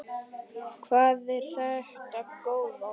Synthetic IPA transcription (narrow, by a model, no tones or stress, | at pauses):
kʰvaːðɛɾ̥θaht̪akoːwða